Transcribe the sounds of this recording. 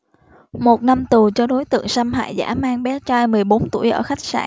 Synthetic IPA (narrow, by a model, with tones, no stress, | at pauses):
mo˨˩t̚na˧mt̪u˨˩t͡ɕɔ˧ɗo˨˦jt̪ɨ̰˧˨əŋsa˧mɦa̰ː˧˨jza̰ː˧˥maː˧ŋɓɛ˨˦t͡ɕaː˧jmɨ˨˩əjɓo˨˦nt̪ṵ˧˩əjʔəː˧˩xa˦˥jk̚sa̰ː˧˩ŋ